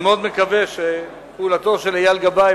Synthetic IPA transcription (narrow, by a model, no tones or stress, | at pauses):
meod̪mekaveʃe | puuːlat̪o̞ʃelajalɡaba